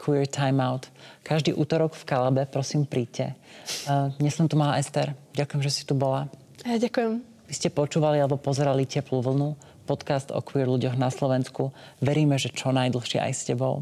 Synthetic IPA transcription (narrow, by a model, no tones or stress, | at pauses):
kʰʋiːɾt̪ʰajmaʊt̪kaʒd̪ḭːʔuːt̪ɔɾɔɡfkalabɛpɾɔsiːmpɾiːcɛ | ɲɛsɔmt̪umalaʔɛst̪ɛɾɟakujɛmʒɛsi̥t̪ubɔla | aɟakujɛm | ʋiscɛpɔt͡ʃuːʋalialɛbɔpɔzɛɾalicɛpluʋl̩ˠnu | pɔt̪kast̪ɔ̰kʋiːɾluɟɔɣnaslɔʋɛnskuʋɛɾiːmɛʒɛt͡ʃɔnajd̪l̩ˠxʃɪɛ̰ʔa̰jscɛbɔ̰ʊ